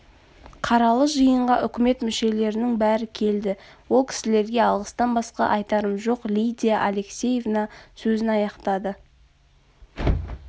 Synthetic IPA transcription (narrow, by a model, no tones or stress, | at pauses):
qʰɑɾɑlˠəʒəjəɴʁɑʔʏkʲɪme̞t̪mʏʃe̞le̞ɾɪnɪŋbæɾɪkʲʰe̞ld̪ɪwo̞lˠkʲʰɪ̥sɪle̞ɾɡʲe̞ɑlˠʁəst̪ɑnbɑsqɑ̰ʔɑjt̪ɑɾəmʒo̞qlʲijd̪ʲijaʔale̞ksʲe̞je̞vnɑsɵzɪnɑjɑqt̪ɑd̪ə